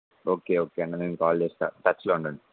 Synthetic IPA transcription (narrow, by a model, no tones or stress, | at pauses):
oːkeːoːkeːɐɳɖanenkaːlt͡ʃeːst̪a̰ːʈɐt͡ʃːloːuɳɖɐɳi